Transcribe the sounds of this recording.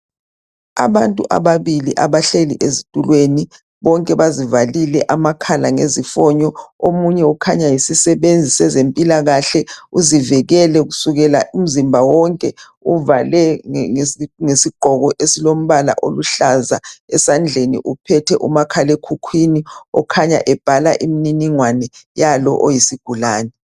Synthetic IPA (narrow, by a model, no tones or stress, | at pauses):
a̰βantʼuʔa̰βaβiliʔaβaɬelḭʔezitʼulweni | βɔŋkʼɛβazivalilɛʔamakʰalaŋezifɔɲɔomuɲɛukʰaɲajisisɛβend͡zʱisɛzempʼilaɣaɬɛuzivɛɣɛlɛɣusuɣɛla̰ʔum̩zimbʱawɔŋkʼɛ | uvalɛ | ŋesiɡ͡ǃ̥ʱɔɣɔʔesilom̩βala̰ʔoluɬaza̰ɛsand͡ɮʱenḭʔupʰɛtʰɛʔumakʰalekʰukʰwiniɔkʰaɲa̰ʔɛb̥ʱalaʔimininiŋwanɛjalɔ̰ʔojisiɡ̥ʱulaːnɛ